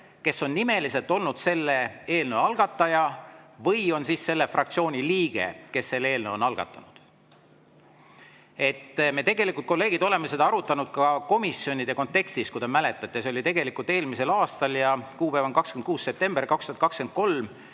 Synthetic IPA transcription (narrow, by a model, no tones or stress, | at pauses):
ke̞sːo̞nːime̞lise̞lt̪ːˑo̞lnud̪̥se̞lːe̞e̞ːlnəwɑlɡ̥ɑt̪ːˑɑjɑvɤjo̞nsiːsːe̞lːe̞frʔɑkt̪sio̞ːnʲiliːɡ̥e̞̰ke̞sːe̞lːe̞ːlnəwo̞nɑlɡ̥ɑ̰t̪ːˑɑnud̪̥ | e̞t̪ːme̞ːt̪e̞ɡe̞likult̪̚ko̞lːeːɡ̥id̪o̞le̞mːese̞d̪̥ɑɑɾut̪ːˑɑnud̪̥̚kɑko̞misjo̞nʲid̪̥e̞ko̞nt̪ːe̞kst̪iskud̪emæle̞t̪ːˑɑt̪ˑːeseolʲit̪e̞ɡ̥e̞likːˑult̪e̞ːlmise̞lɑːst̪ɑljɑkuːpævɑnkɑkskend̪̚kuːsse̞p̚t̪e̞mb̥erkɑkst̪uhɑt̪kɑksken̚ko̞lm